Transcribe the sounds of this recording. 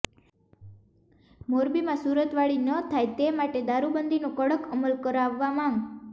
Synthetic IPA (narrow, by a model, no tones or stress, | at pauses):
moɾbimãsuɾət̪ʋaɭinət̪ʰajt̪emaʈed̪aɾubənd̪ʱinõkəɽəkəməlkəɾaʋːamãŋ